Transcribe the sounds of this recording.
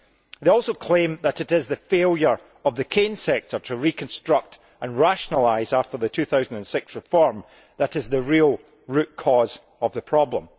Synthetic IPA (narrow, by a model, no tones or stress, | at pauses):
ðeɔlˠsokʰl̥ẽmðəʔɪʔɪzðəfelˠjə˞ | əvðəkʰẽnsɛk̚tʰə˞tʰəɹikʰə̃nstɹ̥ʌk̚t | ʔə̃nɹaʃənəlˠaɪzaftə˞ðətʰʉθaʊzə̃ndə̃nsɪksɹɪfɔɹm | ðəʔɪzðəɹilˠ | ɹʉʔkʰɔz | əvðəpʰɹ̥ɔblˠə̃m